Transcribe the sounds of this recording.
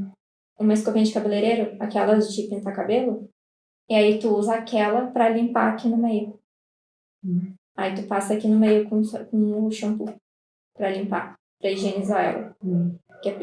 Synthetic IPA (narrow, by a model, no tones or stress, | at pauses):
ũmɐɪskovẽɲɐd͡ʒɪkabeleɾeɾʊakɛlɐzd͡ʒɪpĩnt̪akabelʊ | ɪait̪uuzɐakɛlɐpɾɐlĩmpa̰akinʊmejʊ | ait̪upasɐakinʊmejʊkõskũʃɐ̃w̃pʊ | pɾɐlĩmpa̰ | pɾɐiʒenizaɛ̰lɐ̰ | kɪɛ